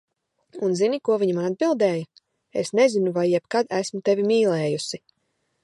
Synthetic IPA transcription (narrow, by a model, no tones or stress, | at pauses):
unzinikuɔviɲamad̪̚bilˠd̪ɛːj | esnezinuvajːɛbkad̪æsmut̪evimiːlɛːjusi